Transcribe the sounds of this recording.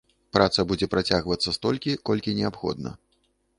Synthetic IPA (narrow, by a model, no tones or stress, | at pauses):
pɾat̪sɐbud͡zʲɛpɾat͡sʲaɣvɐt̪sːɐst̪ɔlʲkʲikɔlʲkʲinʲɛapxɔ̰d̪̚nɐ̰